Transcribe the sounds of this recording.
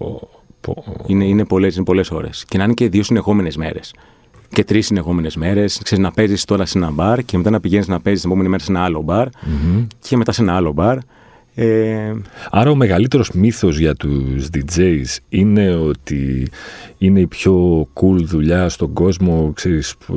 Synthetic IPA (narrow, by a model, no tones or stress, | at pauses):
o | poineine̞po̞lesinepo̞le̞so̞̰ɾe̞̰scenɐinece̞ðio̞sine̞xo̞me̞ne̞zme̞̰ɾe̞s | ce̞t̪ɾisːine̞xo̞me̞ne̞zme̞ɾe̞skse̞ɾiznɐpe̞zist̪o̞ɾɐsenɐbɐɾceme̞t̪ɐnɐpiʝeniznɐpe̞zist̪ɐpomenimeɾɐsenɐɐlo̞bɐɾ̩ | cʰe̞me̞t̪ɐse̞nɐɐlo̞bɐɾ | e | ɐɾɐo̞me̞ɣɐlit̪e̞ɾo̞zmiθo̞zʝɐt̪uzðid͡zeisine̞o̞t̪ḭ | ine̞ipço̞kulðuʎɐst̪o̞ŋɡo̞zmo̞kse̞ɾis